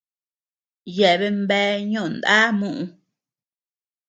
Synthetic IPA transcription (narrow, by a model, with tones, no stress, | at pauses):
je˨ʔβe˧mbɛː˦ɲõ˦˨nd̪a̰˦mũ˦ʔũ˧